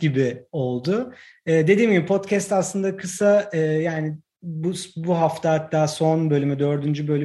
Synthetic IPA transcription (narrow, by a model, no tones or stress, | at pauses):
ibɪo̞lˠd̪ʊ | ɛːd̪e̞d̪iːmɟibipʰo̞t̪cʰɛst̪aslˠɯnd̪akʰɯsaɯːjaːnɪ | busbuɦaft̪ʰahat̪ʰːaːso̞nbø̞lʲymyd̪ø̞ɾd̪ynd͡ʒybø̞lʲy